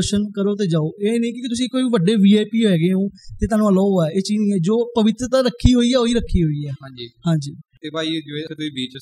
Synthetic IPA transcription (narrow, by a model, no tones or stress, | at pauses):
ʃənkəɾoːt̪̬eːd͡ʒaːoːeːnə̃ĩːkɪikɪt̪ʊs̬ĩːkoːiːʋiʋəɖeːʋiːeːpiːoɛːɡeːɦõːt̪eːt̪̬aːnũːəloːoɛːʔeːt͡ʃiːzĩːɛːd͡ʒoːpəʋɪt̪ɾət̪ãːɾəkʰːiːɦoːiːɛːoːiːɾəkʰːiːɦoːiːɛːɦãd͡ʒiːhãːɲd͡ʒiːt̪eːbaːid͡ʒet̪uiːbiːt͡ʃ